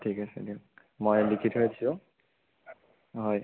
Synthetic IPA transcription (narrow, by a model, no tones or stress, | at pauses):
tʰikasḛdiʊ | mojlikʰitɦojdisʊ̃ | ɦɔj